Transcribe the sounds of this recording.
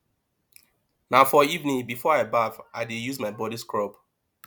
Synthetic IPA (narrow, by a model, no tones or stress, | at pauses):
naʊfɔivnĩŋbifɔaɪbavaɪdijuzmaɪbɔɾiskɹɔb